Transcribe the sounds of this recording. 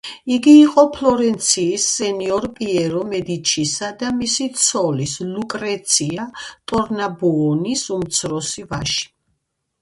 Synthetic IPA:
iɡiːqʼɔpʰlɔɾɛnt̪sʰiːsːɛniɔɾpʼiɛɾɔmɛd̪it͡ʃʰisad̪amisit̪sʰɔlislukʼɾɛt̪sʰiat̪ʼɔɾnabuɔnisumt̪sʰɾɔsivaʃi̥

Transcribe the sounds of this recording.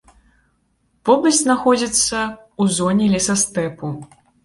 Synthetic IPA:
pɔbɨzʲznaxɔd͡zʲit̪sːɐ | uzɔnʲɛlʲisɐst̪ɛpu

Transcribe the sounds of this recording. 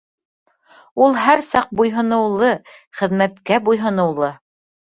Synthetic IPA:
ulˠɦæɾsɑq̚bujɦɤ̆nɤ̆wlˠɤχɘ̆ðmæt̪kæbujɦɤ̆nɤ̆wlˠɤ

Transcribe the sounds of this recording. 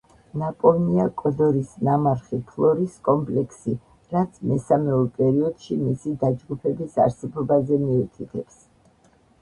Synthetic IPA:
napʼɔvniakʼɔd̪ɔɾisnamaɾχipʰlˠɔɾiskʼɔmpʼlɛkʰsi | ɾat̪sʰmɛsamɛɔɾpʼɛɾiɔd̪̥ʃimisid̪ad͡ʒɡupʰɛbisa̰ɾsɛbɔbazɛmiut̪ʰit̪ʰɛps

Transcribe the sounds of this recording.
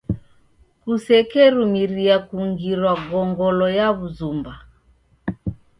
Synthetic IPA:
kusɛkɛɾumiɾiakuŋɡiɾwaɡɔŋɡɔlɔjaβuzumba

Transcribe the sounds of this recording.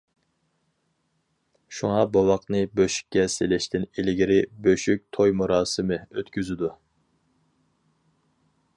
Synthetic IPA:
ʃuŋɑbɑwɑqnɨbøʃy̥kʲːɛselɪʃt̪ɪnilɪɡʲiɾɪbøʃyk̚ʲt̪ʰojmuɾɑːsɨmɨøt̪kʲyzɪd̪u

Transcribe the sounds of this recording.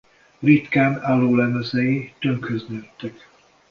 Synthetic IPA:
rit̪kaːnalːoːlɛmøsɛjit̪øŋkhøznyt̪ːɛk

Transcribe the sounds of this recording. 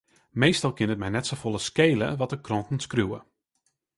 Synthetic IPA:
mejstɑlˠkɪnət̚mɛjnɛtsofolˠəskejlə̰ʋɔtəkrɔntən̩skruwə̰

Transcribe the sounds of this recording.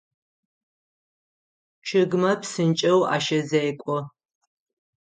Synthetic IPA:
t͡ʃʰɪɡmɐpsɨnt͡ʃʼɐwa̰ːʃɐzejkʷʼɔ

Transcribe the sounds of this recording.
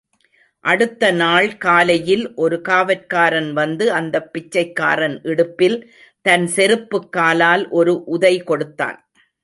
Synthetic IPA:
ʔɐɽɯt̪ːɐnaːɭkaːlɐjɪlʔɔɾɯkaːʋɐɾkaːɾɐnʋɐnd̪ɯɐnd̪ɐpːɪt͡ʃːɐɪkːa̰ːɾɐnʔɪɽɯpːɪl | t̪ɐnsɛɾɯpːɯkːaːlaːlʔɔɾɯʔʊðɐɪkɔɽɯt̪ːa̰ːn

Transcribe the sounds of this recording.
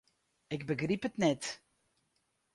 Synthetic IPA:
ɪɡ̚bəɡripətnɛt

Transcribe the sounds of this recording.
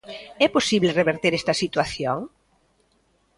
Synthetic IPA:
ɛposiβlereβeɾt̪eɾɛst̪ɐsit̪waθjoŋ

